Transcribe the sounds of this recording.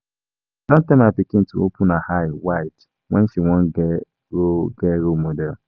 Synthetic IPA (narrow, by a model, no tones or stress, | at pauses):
d̥ɔ̃ntãmapikĩn̩tṵopʰʊ̃nahaɪwaɪt | wɛ̃nʃiwɔ̃nɡɛ | ɹoɡɛɾomodɛl